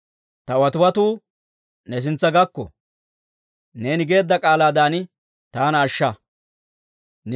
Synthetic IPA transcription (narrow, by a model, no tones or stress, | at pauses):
t̪ɐwɐt̪ʊwɐt̪uː | nɛs̬ɪnt͡sːɐɡɐkːɔ̰ | ne̞ːnɪɡe̞ːd̪ːɐkʼaːlaːd̪aːn | t̪aːnɐːʃːɐ | n